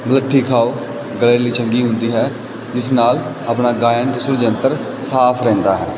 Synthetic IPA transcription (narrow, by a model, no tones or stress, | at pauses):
mələʈʰːiːkʰaːo | ɡəleːliːt͡ʃə̃ŋɡiːɦʊ̃nd̪iːɦɛː | d͡ʒɪsnaːl | əːpɳaːɡaːjənt̪esʊɾd͡ʒənt̪əɾ | saːpʰɾɛ̃ːnd̪aːɦɛː